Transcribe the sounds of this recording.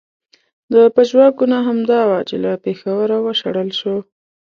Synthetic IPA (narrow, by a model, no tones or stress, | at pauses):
d̪əpaʒwɑɡunaɦamd̪ɑwat͡ʃelapexawəɾawəʃaɽəlʃo